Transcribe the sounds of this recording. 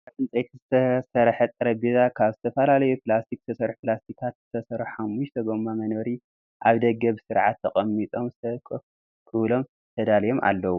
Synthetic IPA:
afɨnt͡sʼet̪ʰzɨsɐɾħɐt̪ʼɨɾɐbizakʰaβzɨt̪ʰɐfɐlalɐjuplast̪ʰikzɨ̥t̪ʰɐsɐɾħuplast̪ʰikʰat̪zɨt̪ʰɐsɐɾħħamːuʃt̪ʰɐɡo̞mamɐnoɾi | ʔaβd̪ɐɡɐβsɨɾʕat̪ʰːɐkʼɐmːit̪ʼo̞mzɨt̪ʰɐk | kʰɨβlo̞m | t̪ʰɐd̪alɐjo̞mʔa̰lːɐwu

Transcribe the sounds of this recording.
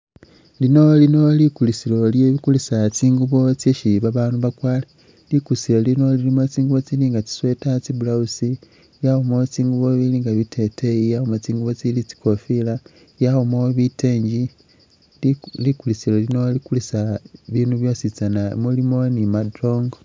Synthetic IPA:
lino̞lino̞likulisilo̞ljeβikulisat͡siːŋɡuβo̞t͡sjeʃiβaβaːnuβakwaːla | likulisilo̞lino̞lilimot͡siːŋɡuβo̞t͡siliːŋɡat͡si̥swe̞tat͡sibulausi | jahomot͡siːŋɡuβo̞βiliːŋɡaβitʰe̞tejijahomat͡siːŋɡuβo̞t͡silit͡si̥ko̞fila | jaɣomoβitʰeːɲɟi | likulisilo̞lino̞likulisaβiːnuβjo̞sit͡sanaḛmulimo̞nimadroːŋɡo

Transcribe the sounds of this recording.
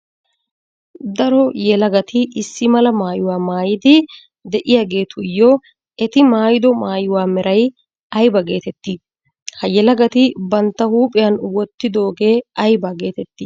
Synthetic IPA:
d̪ɐɾɔjɛlɐɡɐt̪ʰɪɪsːɪmɐlɐmaːjʊwaːmaːjɪd̪ɪ | d̪ɛʔɪjaːɡe̞ːt̪ʰʊɪjːɔ | ɛt̪ɪmaːjɪd̪ɔmaːjʊwaːmɛɾʔɐj | ɐjbɐɡe̞ːt̪ɛt̪ːiː | hɐjɛlɐɡɐt̪ɪbɐnt̪ːɐhuːpʼɪjɐnwɔt̪ːɪd̪o̞ːɡe̞ːɐjbaːɡe̞ːt̪ɛt̪ːiː

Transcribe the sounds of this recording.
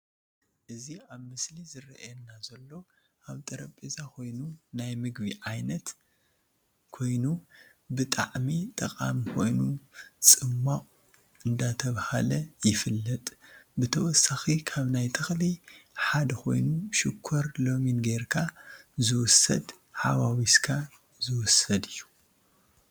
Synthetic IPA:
ʔɨziaβmɨslizɨrɐʔɛnːazɐlːo̞ | ʔaβt̪ʼɐɾɐpʼezakʰo̞jnunajmɨɡβiʕajnɐt̪ | kʰo̞jnu | bɨt̪ʼa̰ʕmit̪ʼɐkʼa̰mkʰo̞jnut͡sʼɨmːaχʼ | ɨnd̪at̪ʰɐβhalɐjɪfɨlːɐt̪ʼbɨt̪ʰɐwɔsːaxikʰaβnajt̪ʰɨxliħad̪ɐkʰo̞̰jnuʃɪkʰːoɾlo̞minɡeɾkʰazɨwʊsːɐ̰d̪ | ħa̰βawiskʰa | zɨwʊsɐd̪ɨjːu̥

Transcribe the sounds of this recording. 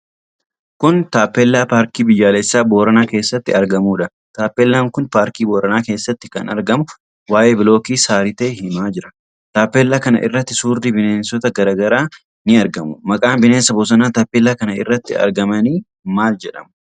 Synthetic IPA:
kʊnt̪aːpːeːlːaːpaːɾkiːbɪjːaːlɛsːaːbo̞ːɾɐnaːke̞ːsːɐt̪ːɪɐɾɡɐmuːᶑɐ | t̪aːpːelːaːŋkʊnpaːɾkiːboːɾɐnaːke̞ːsːɐt̪ːɪ̥kɐnɐ̰ɾɡɐmʊ | waːʔe̞ːbɪlo̞ːkiːsaːɾɪt̪eːhɪmaːd͡ʒɪɾɐ | t̪aːpːeːlːaːkɐnɐ̰ʔɪ̰rːɐt̪ːɪsuːɾd̪ibɪne̞ːnsɔt̪ɐɡɐɾaːɡɐɾaː | nɪɐɾɡɐmʊmɐkʼaːnbɪneːnsɐbʊs̬ɐnaːt̪aːpːeːlːaːkɐnɐɪ̰rːɐt̪ːɪɐ̰ɾɡɐmɐniː | maːld͡ʒɛᶑɐ̰mʊ̥

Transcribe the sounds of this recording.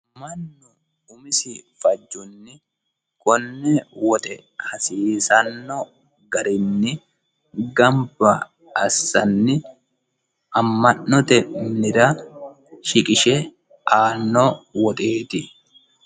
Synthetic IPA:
mɐnːʊ | ʊmɪsɪfɐd͡ʒːʊnːɪ | kɔnːɛwɔt̪ʼɛhɐsiːsɐnːɔ | ɡɐɾɪnːɪ | ɡɐmbɐ | ɐsːɐnːɪ | ʔɐmːɐnːɔt̪ɛnɪɾɐ | ʃɪkʼɪʃɛ | ʔaːnːowɔt̪ʼeːt̪ɪ

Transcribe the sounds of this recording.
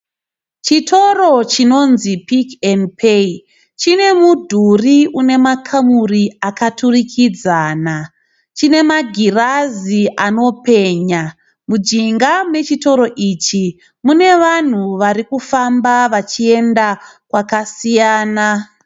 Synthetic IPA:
t͡ʃitʰo̞ro̞t͡ʃino̞nzipikenpʰei | t͡ʃine̞mudʱuriune̞makʰamuriakaturikʰid͡zaːna | t͡ʃine̞maɡʱiraziʔano̞pe̞ɲa | mud͡ʒiŋɡamwe̞t͡ʃito̞ɾo̞ʔit͡ʃi | mune̞ʋan̤uʋaɾikufambaʋat͡ʃie̞ndakwakasijaːna

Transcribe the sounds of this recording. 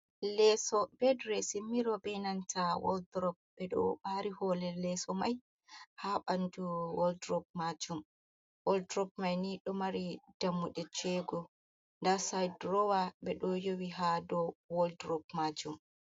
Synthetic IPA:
lɛsɔbɛdɾɛsimːiɾɔbɛnantʰawɔ̰ldɾɔp̚bɛɗɔ̰ɓaɾihɔlɛlɛsɔmaj | haɓanduwɔldɾɔb̚mad͡ʒum | wɔldɾɔp̚majniɗɔmaɾid̥amːuɗɛt͡ʃɛɡɔ | ndasajdɾɔwaɓɛɗɔjowiɦadɔwɔldɾɔp̚mad͡ʒum

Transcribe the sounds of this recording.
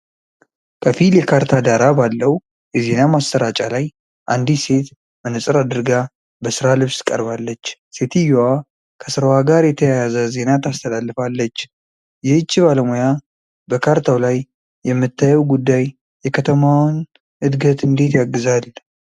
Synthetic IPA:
kʰəfiljɛkʰaɾt̪ʰad̪aɾabalːəw | jɛze̞namast̪əɾat͡ʃʼalaj | ʔand̪ise̞t̪ | bənɨsʼɨɾad̪ɨɾɡa | bəsɨɾalɨβskʼə̰ɾbalːət͡ʃːse̞t̪ʰijowa | kʰəsɨɾəwaɡaɾjɛt̪ʰəjajazəze̞nat̪ʰast̪ʰəlalːɨfalːət͡ʃː | jɛɨt͡ʃːibaləmoja | bəkʰaɾt̪ʰawlajː | ɛmːɨt̪ʰːajɛwɡud̪ːaj | jɛkʰət̪ʰəmawn | ɨd̪ɡət̪ɨnd̪e̞t̪jaɡːɨzal

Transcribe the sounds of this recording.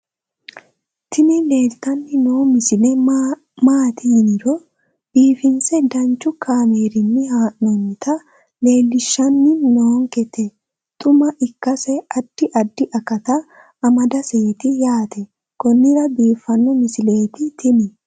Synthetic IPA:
t̪ɪmɪle̞ːlt̪ɐnːɪnoːmɪsɪlɛ | maːt̪ɪjnɪɾɔ | b̥iːfɪnsɛd̪ɐnt͡ʃːʊkʰaːmeːɾɪnːɪhaːʔɔnɪt̪ɐ | le̞ːlːɪʃːɐnːɪnoːŋkɛt̪ɛ | t̪ʼʊmɐʔɪkːɐsɛɐd̪̥ːɪʔɐd̪ːɪʔɐkɐt̪ɐ | ɐmɐd̪ɐseːt̪ɪjaːt̪ɛ | kɔnːɪɾɐbiːfːɐnːɔmɪsɪle̞ːt̪ɪt̪ʰɪmɪ

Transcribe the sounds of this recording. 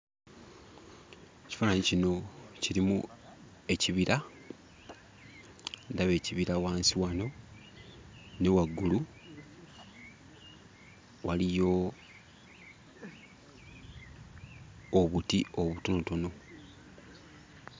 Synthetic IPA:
eci̥faːnaɲicino̞ciɾimu | e̞ciβiɾʔa | ndaβe̞ːciβiɾawaːnsiwano̞ | ne̞waɡːulu | walijo̞ | βutio̞βuto̞noto̞no̞

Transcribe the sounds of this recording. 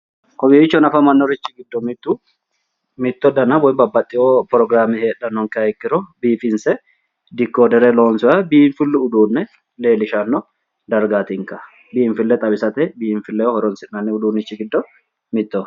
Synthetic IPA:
kɔbiɪt͡ʃːɔnɐfɐmɐnːɔɾɪt͡ʃːɪɡɪd̪ːɔmɪt̪ːu | mɪt̪ːɔd̪ɐnːɐbɔjbɐbːɐt̪ʼːɪopɾɔɡɾaːmiheːᶑɐnːɔŋkɪɐɪkːɪɾɔbiːfɪnsɛ | d̪ɪkːoːd̪ɛɾɛloːnsɔjɐbiɱfɪlːʊʊd̪uːnːɛ | le̞ːlɪʃɐnːɔ | d̪ɐɾɡaːt̪ɪŋkɐ | biːɱfɪlːɛt̪ʼɐbɪsɐt̪ɛbiɱfɪlːɛjɔhɔɾɔnsɪnːɐnːɛʊd̪uːnːɪt͡ʃːɪɡɪd̪ːɔ | mɪt̪ːɔ

